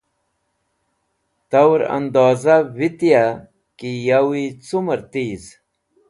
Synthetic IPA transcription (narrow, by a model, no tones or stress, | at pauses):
t̪awɾa̰nd̪oːzavit̪ija | kijawit͡suməɾt̪iːz